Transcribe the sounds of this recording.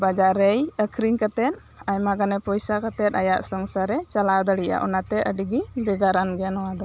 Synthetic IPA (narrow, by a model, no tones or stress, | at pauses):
bad͡ʒaɾɛjəkʰɾiŋkat̪ɛt̪̚ | ajmaɡanɛpɔjsakat̪ɛt̪̚ajaʔsɔŋsaɾɛt͡ʃalad̪ɔɽija̰ʔɔ̰nat̪ɛəɖiɡibɛɡaɾanɡɛjanɔwad̪ɔ